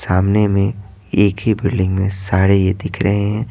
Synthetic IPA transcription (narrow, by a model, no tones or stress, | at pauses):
saːmnemẽ | eːkɦibɪɾɖɪ̃ŋɡmẽsaːɾejed̪ɪkʰɾɐɦeɦɛ̃ː